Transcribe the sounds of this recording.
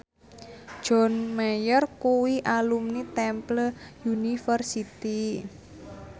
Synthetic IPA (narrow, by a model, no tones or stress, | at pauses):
d̥ʒ̥ɔ̤nmɛjərkuwiʔalumnit̪ɛmpləjunifərsit̪i